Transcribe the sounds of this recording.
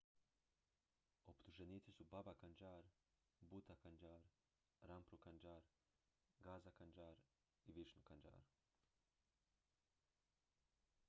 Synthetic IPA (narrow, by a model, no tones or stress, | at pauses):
opt̪uʒeniːt̪sisubabakand͡ʒaːɾ | but̪akand͡ʒaːɾ | ɾampɾukand͡ʒaːɾ | ɡaːzakand͡ʒaːɾ | iʋiʃnukand͡ʒa̰ːɾ